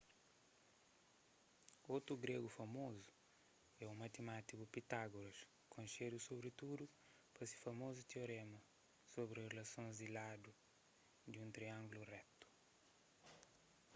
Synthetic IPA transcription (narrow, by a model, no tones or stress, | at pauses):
ot̪ɾuɡɾeɡufɐmozu̥ | ɛumɐt̪emat̪ikupit̪aɡoɾɐʃ | kʰõʃed̪usobɾit̪ud̪u | pɐsi̥fɐmozut̪eoɾemɐ | sobɾirelɐsõnzd̪ilad̪u | d̪ũnt̪ɾiãŋɡulurɛt̪u̥